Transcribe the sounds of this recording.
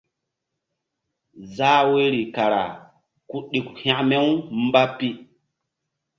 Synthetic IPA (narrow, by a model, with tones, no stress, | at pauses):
zaː˦we˦ɾi˨ka˨ɾa̰˨ | ku˦ɗi˨khã˦ʔme˦wm˦ba˦pi˦